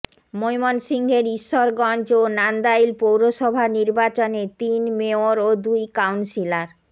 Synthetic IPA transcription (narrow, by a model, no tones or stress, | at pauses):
mojmonsiŋɡʱeɾiʃːoɾɡɔnd͡ʑonand̪ajlpowɾoʃɔbʱaniɾbat͡ɕonet̪inmeoɾod̪ujkawnsilaɾ